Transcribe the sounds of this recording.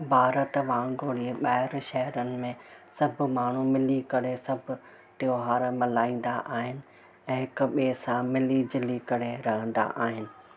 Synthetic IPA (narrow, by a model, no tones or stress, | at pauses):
bʱaːɾət̪ʋãːɡoːɽieɓaːɦɪɾʃɐɦɾənɪ̆mẽsɐbʱʊmaːɳ̤umɪlikɐɽesɐbʱʊ | ʈ̪joːɦaːɾmɐlaːĩːn̆d̪aʔaːɦɪnɪ̆ | ɛ̃ːɦɪkʊ̆ɓeːsãmɪlid͡ʑɪlikɐɽeɾɐɦə̃nd̪a̰ʔaːɦɪnɪ̆